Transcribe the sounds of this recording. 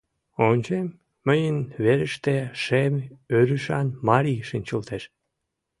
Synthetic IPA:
onʲt͡ɕemː | əjənβeɾəʃt̪eʃemøɾyʃɑnmɑɾʲiʃinʲt͡ɕəlt̪eʃ

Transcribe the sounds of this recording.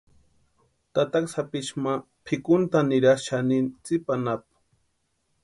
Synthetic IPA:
t̪at̪aksapɪt͡ʃma | pʰɪkʊnt̪anɪɾaʃanɪnt͡sɪpanap̚

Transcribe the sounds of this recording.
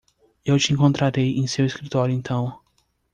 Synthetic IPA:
ewt͡ʃɪẽŋkõnt̪ɾaɾejʔẽj̃seweskɾit̪ɔɾjʊẽnt̪ʰɐ̃w̃

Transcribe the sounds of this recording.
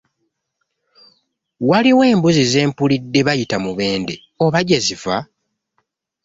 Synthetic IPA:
waliwe̞ːmbuzize̞ːmpulidːe̞βajitamuβe̞ːnde̞ | o̞βaɟeziva

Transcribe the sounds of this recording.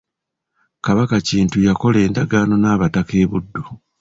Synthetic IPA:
kaβakaciːntujako̞le̞ːndaɡaːno̞naːβatake̞ːβudːo

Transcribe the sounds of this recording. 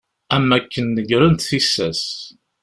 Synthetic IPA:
æmːækːənːəɡɾənt̪θisːæ̰s

